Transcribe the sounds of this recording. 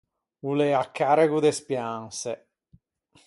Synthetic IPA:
ulɛakːaɾɛkud̪espjaŋsɛ

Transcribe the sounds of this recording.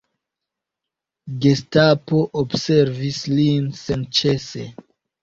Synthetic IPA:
ɡestapoʔobseɾvislinsent͡ʃe̞se

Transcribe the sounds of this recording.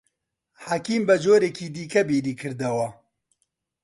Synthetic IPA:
hakiːmbɛd͡ʒoːɾekʰiːd̪iːkʰɛbiːɾiːkʰɨɾd̪ɐwɐ

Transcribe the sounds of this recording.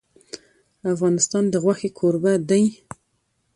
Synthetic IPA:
afɣɑnɪst̪ɑnd̪əɣwaxekʰoɾbad̪əj

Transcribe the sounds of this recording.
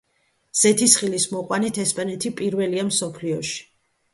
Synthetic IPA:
z̥ɛt̪ʰisχilismɔqʼwanit̪ʰɛspʼanɛt̪ʰipʼiɾvɛliamsɔpʰliɔʃi̥

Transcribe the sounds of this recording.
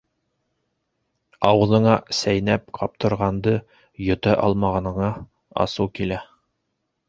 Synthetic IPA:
ɑwɤ̆ðɤ̆ɴɑsæjnæp̚qʰɑp̚t̪ɤ̆ɾʁɑnd̪ɤ | jɵ̆t̪æʔɑlˠmɑʁɑnɤ̆ɴɑ | ɑ̰sɤwkilæ

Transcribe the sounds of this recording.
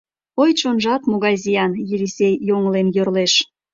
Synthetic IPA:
ojt͡ɕonʒɑt̪moɣɑjzʲijɑnjilʲisʲejːoŋlenjørleʃ

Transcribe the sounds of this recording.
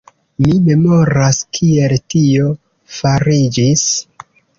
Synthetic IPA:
mime̞mo̞ɾaskʰie̞ltio̞ | faɾid͡ʒis

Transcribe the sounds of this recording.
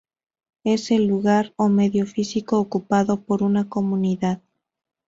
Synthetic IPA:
e̞se̞lːuɣaɾome̞ðjofisikoːkupaðo̞po̞ɾunako̞muniðað

